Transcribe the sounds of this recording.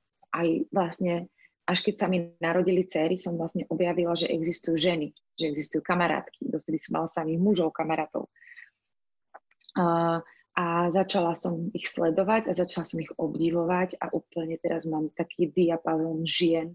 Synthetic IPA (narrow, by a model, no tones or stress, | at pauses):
ʔajʋlasɲɛ | ʔaʃkɛcsaminaɾɔɟilit͡sɛːɾisɔmvlasɲɛʔɔbjaʋilaʒɛʔɛ̰ɡzist̪ujuːʒɛni | ʒɛɛɡzist̪ujuːkamaɾa̰ːt̪ki̥d̪ɔft̪ɛd̪isɔmːa̰lasamiːɣmuʒɔʊkamaɾaːt̪ɔ̰ʊ | ʔazat͡ʃalasɔmixslɛd̪ɔʋaɟazat͡ʃalasɔmiɣɔbɟiʋɔʋaɟa̰ʔuːpl̩ɲɛt̪ɛɾazmaːmt̪akʰiːd̪iapazɔːnʒɪɛn